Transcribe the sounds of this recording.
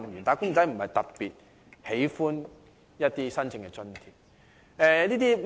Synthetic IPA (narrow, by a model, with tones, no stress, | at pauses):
mjyː˨˩nt̪aː˨˥kʊ˥ŋt͡sɐ˨˥jm̩˨˩hɐ˨jt̪ɐ˨t̚pi˨t̚ | he˨˥jfuː˥n | jɐ˥t̚t̪iː˥sɐ˥nt͡sʰɪ˨˧ŋkɛ˧t͡sɵ˥nt̪ʰi˨˩p̚ | ɛː˧liː˥t̪iː˥